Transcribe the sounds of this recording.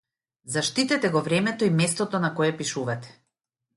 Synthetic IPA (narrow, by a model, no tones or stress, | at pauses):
zaʃt̪it̪ɛt̪ɛɡɔvɾɛmɛt̪ɔimɛst̪ɔt̪ɔnakɔjɛpiʃuvat̪ɛ̥